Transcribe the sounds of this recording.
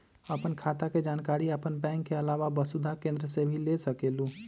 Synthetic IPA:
əpənkʰat̪aked͡ʒankaɾiəpənbɛ̃ŋkːeəlaʋabəsud̪ʱakẽnd̪ɾəsebʱilesəkelu

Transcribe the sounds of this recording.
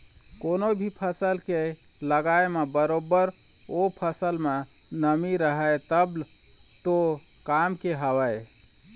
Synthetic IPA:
konobʱipʰəsəlke | ləɡaemebəɾobəɾ | opʰəsəlme | nəmiɾəɦəjt̪əb | t̪o | kamkeɦəwəj

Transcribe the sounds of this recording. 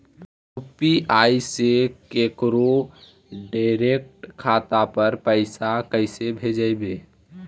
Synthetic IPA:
upiʔaːisekekɾo | ɖaɪɾek̚ʈkʰːaːt̪apəɾpəɪsakəɪsebʱed͡ʒəjbeː

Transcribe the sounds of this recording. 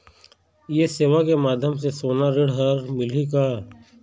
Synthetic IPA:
jeseːʋakemaːd̪ʱjəmsesoːnaɾɪɽɦəɾmɪlikaː

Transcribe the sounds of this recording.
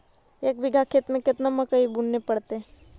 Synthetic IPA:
eːkʋɪɡʱakʰet̪mẽkɪt̪namɐkəibunːepɐɽt̪eɦɛ̃

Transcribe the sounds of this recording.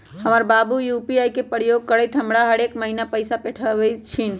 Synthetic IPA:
həməɾbabujupiajkepəɾjoɡ̚kəɾəjʈ̪ʰəmɽaɦəɽekməɦinapəɪsapeʈʰəət͡ʃʰin

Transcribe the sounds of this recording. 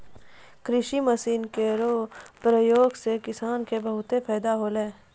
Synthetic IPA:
kɾɪʃiməsiːnkeɾoːpɾəjoːɡsekɪsaːnkebəɦʊt̪epʰɛːd̪aɦoːlẽː

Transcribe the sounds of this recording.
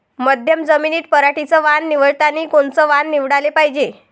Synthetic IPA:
məd̪ʱjəmd͡zəminiːt̪̚pəɾaʈit͡səʋanːiʋəɭt̪aniːkoɳt͡səʋanːiʋɽalepaɦid͡ʑe

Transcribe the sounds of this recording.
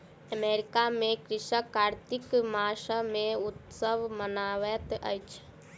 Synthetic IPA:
əmeɾikamẽkɾɪʃəkaːɾt̪ikmaːʃamẽut̪səʋmənaːʋɛt̪ə̰jt͡ʃʰ

